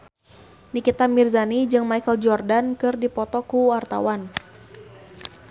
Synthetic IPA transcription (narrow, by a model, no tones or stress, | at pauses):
nikit̪amirzanid͡ʒɨŋmajkəld͡ʒɔrdankɨrdipɔt̪ɔkuwart̪a̰wan